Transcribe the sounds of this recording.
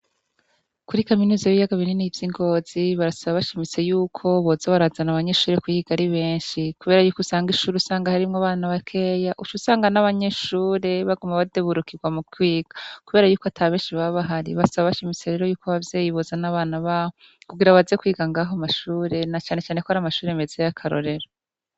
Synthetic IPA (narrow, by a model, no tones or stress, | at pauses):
kuɾikaminuːzajβijaɡaβininivjiŋɡo̞ːz̥iβaɾasaβaβaʃimit͡se̞juːkʰo̞βozaβaɾazanaβaɲe̞ʃuːɾe̞kwiiɡaɾiβe̞ːnʃikuβe̞ːɾajuːkusaːŋɡiʃuːɾeusaːŋɡahaɾimŋaβaːnaβakʰe̞jaʔut͡ʃusaːŋɡanaβaɲe̞ʃuːɾe̞βaɡumaβadeβuɾukiɡwamukwiːɡ̥akuβe̞ːɾajuːkoatʰaβe̞ːnʃiβaβaɦaɾḭβaasaβaβaʃimit͡se̞ɾe̞ːɾojuːkoβavjeːjiβozanaβaːnaβaho | kuɡiɾaβazekwiːɡaŋɡaːɦomaʃuːɾe̞nat͡ʃaːne̞t͡ʃaːne̞kohaɾamaʃuːɾemezejakʰaɾo̞̰ɾe̞ɾo